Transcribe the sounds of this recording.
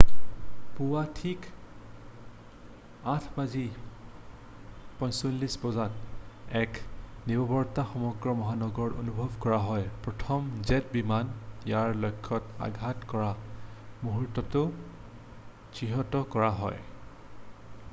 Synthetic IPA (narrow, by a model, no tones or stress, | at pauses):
puwatʰik | atʰbazi | pɔ̃jsolːisbɔzanɛknibɔbɔɹtaxɔmɔɡɹɔmɔɦanɔɡɔɹo̰nubʱɔbkɔɹaɦɔjpɹɔtʰɔmzɛtbimanjaɹlojkʰːɔta̰ɡʱatkɔɹamuɦutːɔtʊ | t͡ʃiɦɔtɔkɔɹaɦɔ̰j